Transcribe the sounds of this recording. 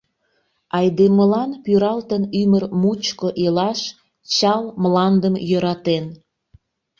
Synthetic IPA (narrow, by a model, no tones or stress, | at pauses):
ɑjd̪eməlɑnpyɾɑlt̪ənymərmut͡ɕkoʔelɑʃ | t͡ɕɑlmlɑnd̪əmjəɾɑt̪en